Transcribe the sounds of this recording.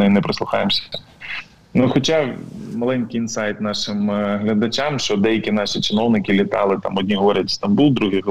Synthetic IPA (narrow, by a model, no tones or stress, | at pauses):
ɛinɛpɾeslˠʊxɑ̰jemsʲɐ̥ | nʊxɔt͡ʃɑmɐlˠɛnʲkɪjɪnsɑjt̪nɑʃɪmɦlʲɐd̪ɐt͡ʃamʃt͡ʃɔd̪ɛjɐkʲinɑʃit͡ʃɪnɔwnɪkɪlʲit̪ɑ̰lˠɪt̪ɑ̰mɔd̪ʲnʲiɦɔɾʲɐtʲst̪ɐmbulˠd̪ɾuɦɪɦ